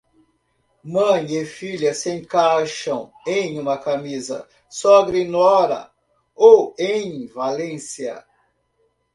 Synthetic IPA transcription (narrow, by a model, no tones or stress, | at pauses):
mɐ̃j̃efiʎɐsẽkaʃɐ̃w̃ | ẽj̃ũmɐkamizɐ̰ | sɔɡɾinɔɾɐ̰ | owẽj̃valẽsiɐ̰